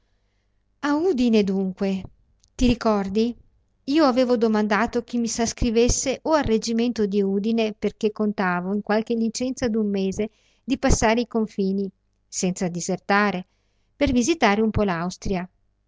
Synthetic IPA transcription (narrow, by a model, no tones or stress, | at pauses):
aud̪ined̪uŋkwe | t̪iɾikɔrd̪i | iːoaveːvod̪omand̪aːt̪ok̟imːisaskɾivesːeʔoarːed͡ʒiment̪od̪iuːd̪ineperk̟ekːont̪aːvoiŋkwalk̟elːit͡ʃɛnt̪sad̪umːeːze | d̪ipasːaːɾeikoɱfiːni | sɛnt̪sad̪izert̪aːɾe | pervizit̪aːɾeumpɔlawst̪ɾja